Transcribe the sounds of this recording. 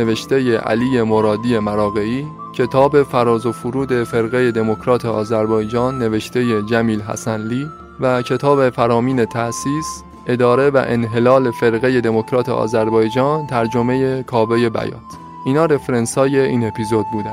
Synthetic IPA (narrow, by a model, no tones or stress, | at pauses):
eve̞ʃt̪e̞jeʔæ̰liːje̞moɾɒːd̪ije̞mæɾɒːɣe̞iː | cʰe̞t̪ʰɒːbe̞fæɾɒːzofuɾuːd̪e̞fe̞ɾɣe̞je̞d̪e̞mokʰɾɒːt̪ʰeɒːzæɾbɒːjd͡ʒɒːnːe̞ve̞ʃt̪ʰe̞jed͡ʒæmiːlɦæ̰sænliː | væcʰe̞t̪ʰɒːbe̞fæɾɒːmiːne̞t̪ʰæʔsiːs | ʔe̞d̪ɒːɾe̞væ̰ʔenɦe̞lɒːle̞fe̞ɾɣe̞je̞d̪e̞mo̞kʰɾɒːt̪ʰḛʔɒ̰ːzæɾbɒːjd͡ʒɒːnt̪ʰæɾd͡ʒo̞me̞je̞kʰɒːbeje̞bæ̰jɒ̰ːt̪ | ʔiːnɒːɾe̞fɾensɒːje̞iːne̞pʰizo̞d̪̚buːd̪æn